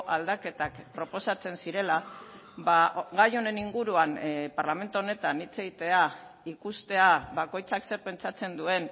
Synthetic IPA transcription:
ʔald̪ake̞t̪akpɾo̞po̞sat͡se̞nsiɾe̞la | baɣajo̞ne̞niŋɡuɾuanpaɾlame̞nt̪uo̞ne̞t̪anit͡se̞ɣit̪e̞aikust̪e̞aβako̞jt͡sakse̞ɾpe̞nt͡sat͡se̞nd̪ue̞n

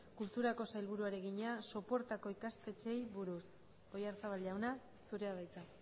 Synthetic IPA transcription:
kult̪uɾako̞sajlβ̞uɾuaɾe̞ɣiɲaso̞po̞ɾt̪ako̞ikast̪e̞t͡ʃe̞jβuɾus | o̞jaɾt͡saβalʎawna | suɾe̞aðajt͡s̪a

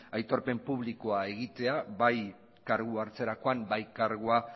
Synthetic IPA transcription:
ajt̪o̞ɾpe̞mpuβliko̞ae̞ɣit̪e̞aβaj | kaɾɣuaɾt͡se̞ɾako̞ambajkaɾɣua

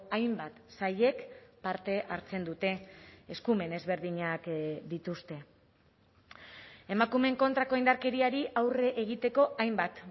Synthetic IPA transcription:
ajmbat̪saje̞kpaɾt̪e̞ʔaɾt͡se̞nd̪ut̪e̞ːskume̞ne̞zβe̞ɾðiɲakd̪it̪ust̪e̞ | e̞makume̞ŋko̞nt̪ɾako̞ind̪aɾke̞ɾiaɾiʔawre̞ʔeɣit̪e̞ko̞ʔajmbat̪

